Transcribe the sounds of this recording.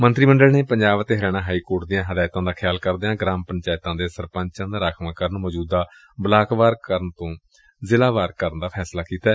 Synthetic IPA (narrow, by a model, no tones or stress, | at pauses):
mənt̪ɾiːməɳɖəlneːpəɲd͡ʒaːʋət̪eːɦəɾɛːɽ̃ãːɦaːiːkoːɾʈd̪ɪjãːɦəd̪aːjt̪ãːd̪aːkʰjaːlkəɾd̪eːãːɡɾaːmpəɲt͡ʃaːjt̪ãːd̪eːsəɾpə̃ɲt͡ʃãːd̪aːɾaːkʰʋãːkəɾənmɔːd͡ʒuːd̪aː | bəlaːkʋaːɾkəɾənt̪õː | zɪlaːʋaːɾkəɾənd̪aːpʰɛːslaːkiːt̪aː